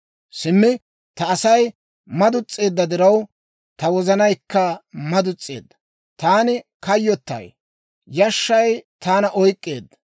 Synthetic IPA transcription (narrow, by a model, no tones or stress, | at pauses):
sɪmːɪ | t̪ɐːsɐj | mɐd̪ʊt͡sʼːe̞ːd̪ːɐd̪ɪɾɐw | t̪ɐwɔzɐnɐjkːɐmɐd̪ʊt͡sʼːe̞̰ːd̪ːɐ̥ | t̪aːnɪkɐjːɔt̪ːɐ̰j | jɐʃːɐjt̪aːnɐʔɔjkʼːeːd̪ːɐ̥